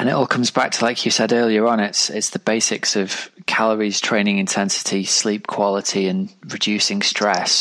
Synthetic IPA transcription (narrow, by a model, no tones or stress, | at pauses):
ə̃nɪʔɔːlˠkʰʊ̃mzbak̚tʰəlaɪkʰjəsɛdɜːliəɹə̃nɪtsɪtsðəbeɪsɪksəv̥kʰaləɹiz̥tʰɹ̥ẽɪ̃nɪ̃ŋɪ̃ntʰɛ̃nsɪ̥tʰisliˑp̚kʰw̥ɒlɪtʰiə̃nɹɪd͡ʒʉˑsɪ̃ŋstɹ̥ɛs